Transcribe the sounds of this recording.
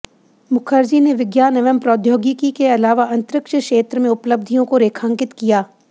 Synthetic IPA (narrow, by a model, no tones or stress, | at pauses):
mʊkʰəɾd͡ʒineʋɪɡjaːnɐʋəmpɾoːd̪ʱjoːɡikikeɐlaːʋaɐ̃nt̪ɾɪkʃəkʃeːt̪ɾəmẽʊpləb̚d̪ʱijõkoɾeːkʰə̃ŋkɪt̪kijaː